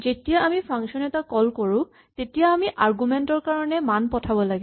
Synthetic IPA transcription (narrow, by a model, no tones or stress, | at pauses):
zetijaʔamipʰaŋkʃɔnɛtakɔlkoɹʊ̃ | tetijaːmiʔaɹɡumɛntɔɹkaɹɔnɛmanpɔtʰabɔlaɡɛ